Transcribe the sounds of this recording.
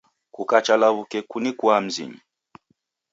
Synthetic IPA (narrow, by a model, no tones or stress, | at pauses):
kukat͡ʃalaβukɛkunikwam̩zḭɲi